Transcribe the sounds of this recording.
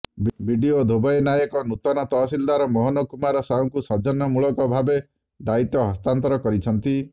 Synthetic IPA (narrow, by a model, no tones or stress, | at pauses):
bbʱiɖiod̪ʱobɔjnajɔkɔnut̪ɔnɔt̪ɔːsild̪aɾɔmɔɦɔnɔkumaɾɔsawŋkusɔd͡ʒɔnːɔmuɭɔkɔbʱabe | d̪ait̪jɔɦɔst̪ant̪ɔɾɔkɔɾit͡ʃʰɔnt̪i